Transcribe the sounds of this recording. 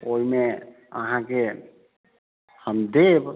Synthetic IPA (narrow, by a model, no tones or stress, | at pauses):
ojme | əɦãke | həmd̪eb